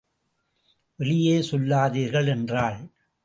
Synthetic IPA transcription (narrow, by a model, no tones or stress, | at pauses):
ʔɛɭɪjeːsɔlːaːðiːɾɣɐɭɛndraːɭ